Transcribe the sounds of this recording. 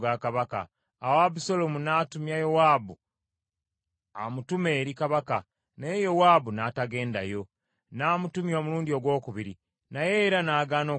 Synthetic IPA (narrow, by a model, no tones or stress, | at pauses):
ɡakaβaka̰ː | wabusolomunaːtumjajowaːbu | amutume̞ːɾikaβaka | nejo̞waːbunaːtaɡe̞ːnda̰jo̞ | naːmutumjo̞ːmuluːndio̞ɡwo̞ːkuβiɾi | najeɾanaːɡaːno̞ː